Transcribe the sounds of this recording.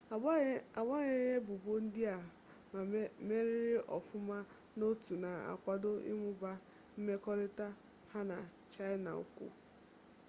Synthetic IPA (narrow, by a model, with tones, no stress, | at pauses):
a˨ba˦ɲe˦ɲe˦bʊ˨bo˦n̩˦dɪ˦a˨ | me˦ɾɪ˦ɾɪ˦ʔɔ˨fʊ˦ma˦ | no˦tu˨na˨a̰˨kʷa˨do˦ḭ˦mʊ˦ba˦ | m̩˦me˦kɔ˦ɾɪ˦ta˦ | ha˦na˨ | t͡ʃa˦ɪ˦na̰˨ʊ̰˦kʷʊ̰˦